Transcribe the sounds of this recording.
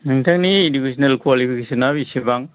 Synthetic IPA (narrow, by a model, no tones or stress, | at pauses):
nɯŋtʰaŋniːdibisɔnelkwalipʰikesɔnabisibaŋ